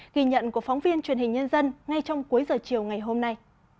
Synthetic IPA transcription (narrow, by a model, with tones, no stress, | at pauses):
ɣi˧˩ɲə̰˧˨nku˧˩əfɔ˨˦ŋ͡mvi˧ənt͡ɕwi˨˩ənhï˨˩ŋ̟ɲə˧nzə˧nŋa˧jt͡ɕɔ˧wŋ͡mku˨˦əjzəː˨˩t͡ɕi˨˩əwŋa˨˩jɦo˧mna˧j